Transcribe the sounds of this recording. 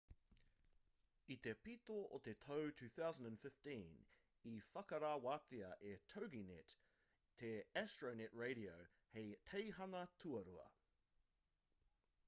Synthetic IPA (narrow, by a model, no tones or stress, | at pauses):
it̪epit̪oʔotetʰəʊtʰʉːθaʊzə̃ndə̃nfɪftĩn | ifɐkɐɾawat̪iɐʔetʰoʊɡinɛt | tʰeɛstɹ̥əʊnɛt̚ɹeɪɾioʊ | heɪtʰeɪɦɐŋɐtʰuɐɾuɐ̰